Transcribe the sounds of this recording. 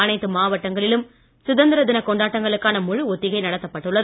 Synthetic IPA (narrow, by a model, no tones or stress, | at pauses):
ɐnɐɪt̪ːɯmaːʋɐʈːɐŋɡɐɭɪlɯm | sʊðɐnd̪ɪɾɐðɪnɐkɔɳɖaːʈːɐŋɡɐɭɯkːaːnɐmʊɻɯɔt̪ːɪɣɐɪnɐɽɐt̪ːɐpːɐʈːɯɭːɐð